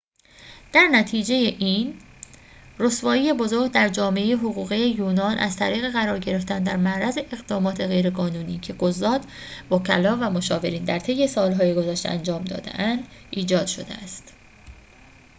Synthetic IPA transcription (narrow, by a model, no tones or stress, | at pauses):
d̪̥æɾnæt̪ʰiːd͡ʒe̞jeʔiːn | rosvɒːjiːje̞bo̞zo̞ɾɡd̪æɾd͡ʒɒːme̞ʔejeɦoɣuːɣijejuːnɒːnʔæ̰zt̪ʰæɾiːɣe̞ɣæɾɒːɾɟe̞ɾe̞ft̪ænd̪æɾmæʔɾæze̞ʔeɣd̪ɒːmɒːt̪ʰe̞ɣe̞jɾe̞ɡɒːnuːniːcʰe̞ɡozːɒːd̪̥ | bɒcʰælɒːvæmo̞ʃɒːve̞ɾiːnd̪æɾt̪ʰe̞jːe̞sɒːlɦɒːjiɡozæʃt̪eænd͡ʒɒːmd̪ɒ̰ːd̪e̞̰ʔænd̪̥iːd͡ʒɒːd̪̥ʃo̞̰d̪ḛæst̪